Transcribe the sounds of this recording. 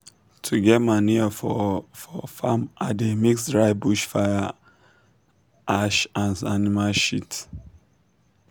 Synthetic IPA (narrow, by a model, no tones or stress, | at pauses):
tʰuɡɛt̚maniɔfɔfɔfamʔademiksdɹaɪbuʃfaja | ʔaʃãnanimalʃit